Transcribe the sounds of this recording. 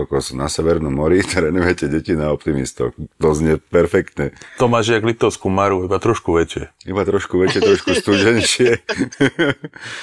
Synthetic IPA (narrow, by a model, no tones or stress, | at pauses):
ɔkɔsnasɛʋɛɾnɔmːɔɾit̪ɾɛnujɛcɛɟɛcinaɔp̚t̪imḭst̪ɔ̰xt̪ɔzɲɛpɛɾfɛkt̪ɲɛt̪ɔmaːʒɪaɡlit̪ɔʊskumaɾuibat̪ɾɔʃkuʋɛt͡ʃɪɛibat̪ɾɔʃkuʋɛt͡ʃɪjɛt̪ɾɔʃkust̪ud͡ʒɛnʃɪɛ